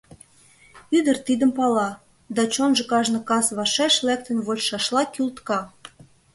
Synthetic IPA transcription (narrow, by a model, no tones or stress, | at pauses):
yd̪ə̆rt̪id̪əmpɑlɑ | d̪ɑt͡ɕonʒɤ̆kɑʒnɤ̆kɑsβɑʃæʃlæk̚t̪ə̆nβolʃɑʃlɑkylt̪kɑ